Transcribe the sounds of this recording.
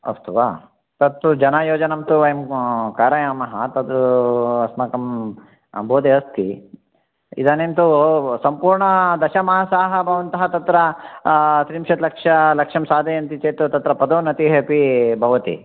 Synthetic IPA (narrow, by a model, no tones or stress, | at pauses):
ɐ̰st̪uʋa̰ː | t̪ɐt̪ːud͡ʒɐnaːjoːd͡ʒɐnɐmt̪uʋɐjɐmkaːɾɐjaːmɐɦɐt̪ɐt̪uɐsmɐkɐm | boːd̪eɦɐst̪ʰḭ | ḭd̪aːnemt̪usɐmpuːɾɳɐd̪ɐʃɐmɐasaːɦɐbʱɐʋɐnt̪ɐɦɐt̪ɐt̪ɾɐ | t̪ɾimʃɐt̪lɐkʂɐlɐkʂɐmsaːd̪ɐjɐnt̪it͡ʃeːt̪ut̪ɐt̪ɾɐpɐd̪oːnɐt̪iɦeːpibʱɐʋɐt̪ḭ